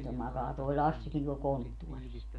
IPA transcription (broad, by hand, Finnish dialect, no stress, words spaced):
to mɑkɑː toi̯ lɑsːikin tuol kontːuɔris